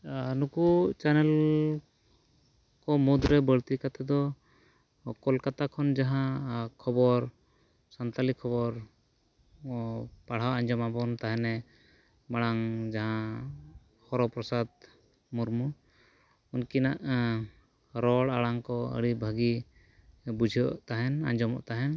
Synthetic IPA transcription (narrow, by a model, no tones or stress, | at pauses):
nukut͡ʃanɛl | kɔmud̪ɾɛbəɭt̪ikat̪ɛd̪ɔ | kɔlkat̪akʰɔnd͡ʒaɦãkʰɔbɔɾ | sant̪alikʰɔβɔɾ | paɽ̤awaɲd͡ʒɔmabɔnt̪aɦɛnɛ | maɽaŋd͡ʒaɦã | hɔɾɔpɾɔsad̪ | muɾmu | unkinaʔ | ɾɔɽaɽaŋkɔə̰ɽibʱəɡi | bud͡ʒʱɔ̰ʔt̪aɦɛna̰ɲd͡ʒɔmɔ̰ʔt̪aɦɛn